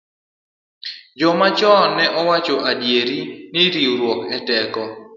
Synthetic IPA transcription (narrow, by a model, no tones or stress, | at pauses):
d͡ʒɔmat͡ʃɔnɛʔɔwat͡ʃɔʔadjeɾiniɾiuɾwɔkɛtɛkɔ